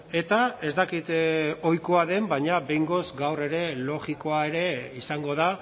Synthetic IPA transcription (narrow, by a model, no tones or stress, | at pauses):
e̞t̪ae̞zt̪akit̪o̞jko̞aðe̞mbaɲabe̞jŋɡo̞zɡawre̞ɾe̞lo̞ɣiko̞ae̞ɾe̞isaŋɡo̞ða